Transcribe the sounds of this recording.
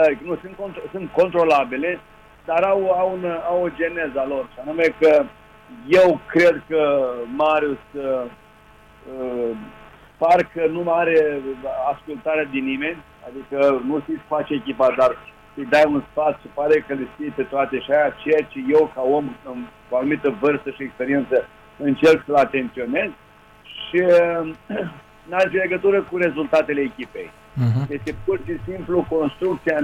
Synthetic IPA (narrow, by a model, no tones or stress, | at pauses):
ad̪ikənusɨnt̪̚kont̪osɨnt̪̚ko̞nt̪ɾo̞labile̞ | d̪aɾawawunawod͡ʒe̞nezalo̞rʃianumekə | je̞wkɾe̞d̪kəmaɾʲiusə | ə | parkənumaɾeaskult̪aɾead̪inime̞nʲ | a̰d̪ikənusisfat͡ʃeekʲipat̪̚d̪ar | səjd̪ajunspat̪ʃipaɾekəlisfijepe̞t̪oat̪e̞ʃiajat͡ʃe̞jat͡ʃeje̞wkao̞mɨnkuanumit̪əvɨrst̪əʃiekspe̞ɾient̪sə | ɨnt͡ʃelksəlat̪e̞nt̪sio̞ne̞z | ʃi | nazile̞ɡət̪uɾəkuɾe̞zult̪at̪e̞leːkʲipḛj | je̞st̪e̞purʃisimpluko̞nst̪ɾuk̚t̪sia